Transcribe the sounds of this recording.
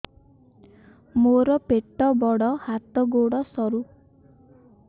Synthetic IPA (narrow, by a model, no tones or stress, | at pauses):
moɾɔpeʈːɔbɔɽɔhat̪ɔɡoɽɔsɔɾu